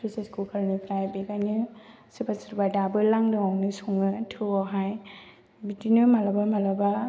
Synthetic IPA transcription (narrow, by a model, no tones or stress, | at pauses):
sʰuseskulkʰaɾnipʰɾajbekajnɯ | sɯpasɯɾbadabɯlaŋdɯŋawnɯsuŋɯtʰɯɔɦaj | bitinɯmalabamalaba